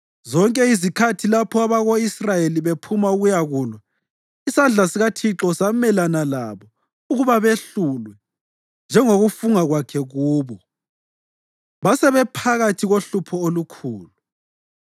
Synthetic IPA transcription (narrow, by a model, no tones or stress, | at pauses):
zɔŋkʼɛizikʰatʰilapʰɔaβaɣoisrajeliβepʰumauɣujaɣuːlwa | isand͡ɮʱasiɣatʰiǁɔsamɛlanala̰βɔ | uɣuβaβeɬulwɛ | nd͡ʒʱɛŋoɣufuŋaɣwakʰɛɣuːβɔ | βasɛβɛpʰaɣatʰiɣoɬupʰɔolukʰuːlu